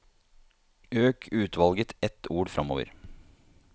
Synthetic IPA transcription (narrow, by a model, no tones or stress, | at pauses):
øːkʰʉːt̪ʰʋɑlɡət̪ɛt̪ʰːuːɾfɾʔɑmo̰ːʋə̰ɾ